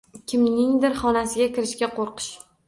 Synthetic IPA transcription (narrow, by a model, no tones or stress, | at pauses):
kʲʰɪmnɪŋd̪ɪɾχɒnasɪɡʲakʲʰɪɾɪʃkʲaqoɾqɨ̥ʃ